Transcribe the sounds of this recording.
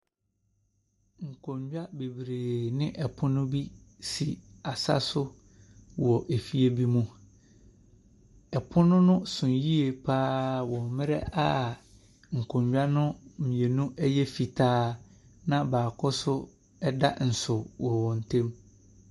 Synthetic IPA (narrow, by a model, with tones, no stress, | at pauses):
ŋ̩˨kʰõ˨ɲd͡ʑᶣa˦be˨bɾeː˨nɪ̃˦ʔɛ˨pʰʊ˦nʊ̃˦bi˦si˨a˨sa̰˦sʊ˦ | wɔ˨ʔe˨fi˦e˦bi˦mũ˦ | ɛ˨pʰʊ˦nʊ̃˦nʊ̃˦sʊ̃˨n˨ji˦e˨pʰaː˦wɔ̃˨mmɪ̃˦ɾɛ˦a˦ | ŋ̩˨kʰõ˨ɲd͡ʑᶣa˦nʊ̃˦m˨mĩ˨e˨nũ˦ʔɛ˦jɛ˦fi˨tʰaː˦ | nã˦baː˨kʰʊ˦sʊ˦ | ɛ˦da̰˦n̩˨sʊ˨wɔ˨wɔ̃˨n̩˨tʰẽ˦m